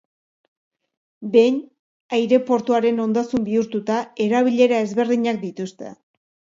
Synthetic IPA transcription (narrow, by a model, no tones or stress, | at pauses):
be̞ɲ | ajɾe̞po̞ɾt̪uaɾe̞no̞nd̪asumbiuɾt̪ut̪ae̞ɾaβiʎe̞ɾae̞zβe̞ɾðiɲak̚d̪it̪ust̪e̞̰